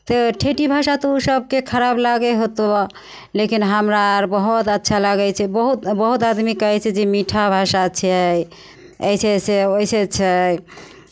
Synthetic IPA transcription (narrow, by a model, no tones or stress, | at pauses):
t̪əʈʰeʈibʱaʃat̪ousəb̚kekʰəɾablaɡɛɦot̪o | lekinɦəmɾaɾbəɦut̪ətːʃʰalaɡɛt͡ʃʰɛbəɦut̪bəɦut̪ad̪mikəɦɛt͡ʃʰɛd͡ʒemiʈʰabʱaʃat͡ʃʰɛ | ə̰isʰeseoiset͡ʃʰɛ